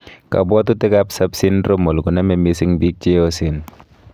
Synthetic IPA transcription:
ka̰˨bɔ˦t̪u˦tɪ˦kapsa˦psi˦nɾo˦mo˨lkʊ˨na˦mɛ˨misɪ˦ŋbi˦k̚t͡ʃeo˦sɪn

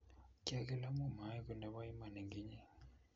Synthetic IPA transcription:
ca˦˨ke˦la˦mu˦˨ma˨˦i˦ku˨na˨βa˦ji˦ma˨ne˨ŋɡi˦ɲi˦

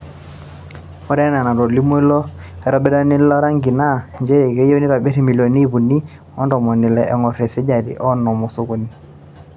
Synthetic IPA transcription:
mɔ˦ɾɛ˦na˨na˨ɾɔ˨li˦m˦lɔ˦ɛ˨ɾɔ˦bɛ˦da˦nɪ˦lɔ˦ɾa˦ŋɡi˨na˦˨ɲd͡ʒe˦˨ke˦jo˦ni˦ɾa˨be˦ɾi˨mi˨lo˨ni˦˨bu˨ni˦ | ɔ˦ndɔ˨mɔ˨nɪ˨lɛ˨ʔɛ˨ŋɔ˨ɾe˨sɛ˦d͡ʒa˨ɾḭ˨ʔɔ˦nɔ˨mɔ˨so˦ko˦ni˦

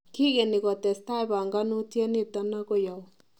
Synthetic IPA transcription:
ki˦ɣe˨ni˨ɣɔ˨tɛ˨sta˦e˨βa˨ŋɡa˦nu˦ti˦ɛ˦ne˦˨ta˦na˦ɣo˦ja˨ɔ˨

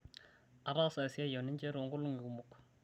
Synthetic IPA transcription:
a˨ɾa˦sa˨si˦a˦ja˨nɪ˦ɲd͡ʒɛ˦ɾo˨ŋɡʊ˦lʊ˦ŋɪ˨ɡu˨mu˨k

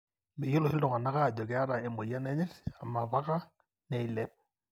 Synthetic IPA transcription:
me˨jo˦lo˨ɪ˦ldɔ˨ŋa˨na˦ka˦˨d͡ʒɔ˨ɡɛ˨a˦ɾa˨e˨mo˨ja˦nɛ˦ɲɛ˦la˨ma˨βa˦ka˦ | nɛ˨i˨lɛ˦p̚

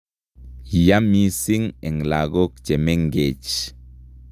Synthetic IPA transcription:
ja˦mi˦si˦ŋe˨ŋla˨ɡo˦kt͡ʃe˨me˦ŋɡe˨t͡ʃ

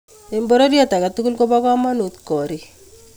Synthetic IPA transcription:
e˨mbo˦ɾo˦djɔ˦ta˨ka˨tu˦ku˦lko˦ba˦kwa˦ma˦nu˨t̪kɔ˨ɾi˨

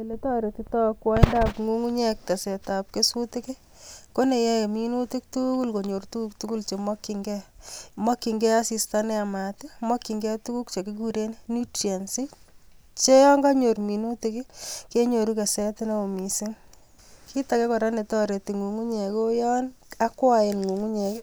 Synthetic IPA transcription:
e˨le˨tɔ˦ɾe˨ti˦tɔ˦kwa˦ɪ˦nda˦pŋu˦ŋu˦ɲɛ˦kːa˨se˨tap̚kesu˦tɪ˦kɪ˦ | ko˦ne˨jɛ˦je˨minu˦tɪ˦k̚tuku˦lko˨ɲo˨ɾtu˦kuktu˦ku˦lt͡ʃe˨mɔ˦kːiŋɡɛ˦mɔ˦kːi˨ŋɡɛ˦a˦si˨stanɛ˦a˨ma˨te˦mɔ˦kːi˨ŋɡɛ˦tu˦ku˦kt͡ʃe˨ki˦ɡu˨ɾe˦neni˦tja˨nsɪ˦ | t͡ʃe˦jɔ˦ŋɡa˦ɲo˨ɾmi˨nu˦tɪ˦kɪ˦ke˦ɲo˨ɾu˦ke˨sɛ˦tɪ˦ne˦o˨misɪ˦ŋ | kʰi˦take˦kɔ˨ɾa˦ne˨tɔ˦ɾe˨ti˨ŋu˨ŋu˦ɲe˨ko˦jɔ˦na˦kwa˦e˨nŋu˨ŋu˦ɲɛ˨k

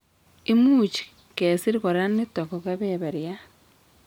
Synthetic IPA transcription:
i˦muːt͡ʃi̥˨ | ke˨si˦ɾi˦ko˨ɾea˦ne˦to˨ko˨ke˦βeβe˨ɾja˦

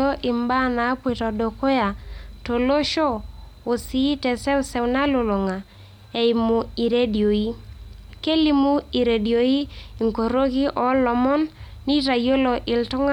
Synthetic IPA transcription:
o˦ʔɪ˨mba˦˨na˨˦pwe˨tɔ˨do˨ko˦ja˨to˨lo˦ʃo˦ | o˨si˦tɛ˨sɛ˦u˦sɛ˦wna˦lo˨lo˨ŋa˨ | e˨i˨mu˨i˨ɾe˦djo˨i˦ke˦li˦mu˦i˨ɾe˨di˨o˨i˦i˨ŋko˨ɾo˦ki˦ʔɔ˨lɔ˨mɔ˦nː | i˦ta˨jo˦lo˨ʔɪ˨ltɔ˦ŋa˦

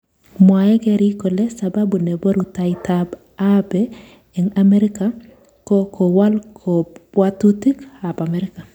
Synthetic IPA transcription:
mwajɛ˦ɡɛɾiko˨le˦sababu˨ne˨bo˦ɾu˨taɪtab | abe | ɛ˨ŋameɾi˦ka | ko˦kʰo˨wa˦lkʰo˨pwa˦tu˦ti˦ka˨pa˨meɾɪ˦ka˨

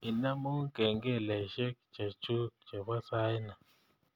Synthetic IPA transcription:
i˨na˦mu˦kɛ˨ŋɡɛ˦˨lɛ˨ʃɛ˦k̚t͡ʃa˨t͡ʃu˦k̚t͡ʃa˨βa˦sa˦jna˨

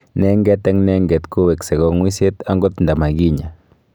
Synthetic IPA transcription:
ne˦ŋɡe˦t̪a˦ŋne˦ŋɡe˨t̪ku˦βe˨kse˨ɡo˦ŋwi˦se˦t̪a˦ŋɡo˦t̪nd̪a˨ma˨ɡi˦ɲa˨

